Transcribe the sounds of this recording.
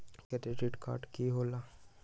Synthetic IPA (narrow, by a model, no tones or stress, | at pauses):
kɛt̪eʈiʈka̰ːɾʈkiɦola